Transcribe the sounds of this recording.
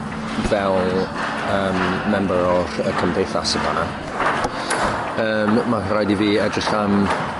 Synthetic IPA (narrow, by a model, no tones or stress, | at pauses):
vɛl | əːmːɛmbəɾɔrəkʰəmdejθa̰səba̰na | əːmːarajdiviːɛdrɪɬan